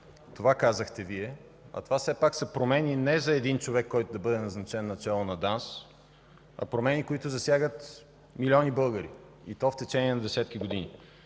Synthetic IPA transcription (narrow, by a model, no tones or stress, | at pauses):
t̪ovakazəxt̪ɛviɛ | ɐ̰t̪ovasɛpaksɐpɾomɛninɛzɐɛd̪int͡ʃovɛkːɔjt̪ʊd̪ɐbɤd̪ɛnɐznɐt͡ʃɛnːɐt͡ʃɛlˠonɐd̪ans | ɐ̰pɾomɛnikoit̪ʊzɐsjaɡət̪ | milʲɔnibɤlˠɡəɾḭ | it̪ɔft̪ɛt͡ʃɛniɛnɐd̪ɛsɛt̪k̟iɡod̪ini